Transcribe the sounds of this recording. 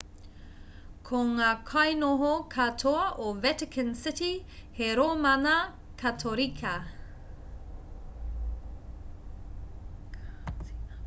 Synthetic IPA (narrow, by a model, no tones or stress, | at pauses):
kʰoŋaːkʰɐjnoɦokʰatʰoɐʔovɛtɪkʰənsɪtiheɾomɐnɐ | kʰɐtʰoɾikʰɐ